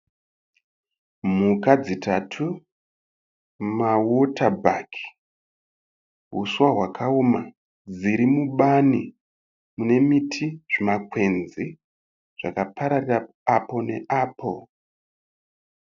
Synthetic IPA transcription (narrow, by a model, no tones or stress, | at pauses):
m̤ukad͡zitʰatʰu | mawotʰabʱakʰi̥ | ɦṵsuwaɦwakʰaoma | d͡ziɾimuɓani | mune̞mitʰiʐ̥imak̚we̞nzi | ʐ̥akapaɾarira | apo̞ne̞ʔaːpʰo̞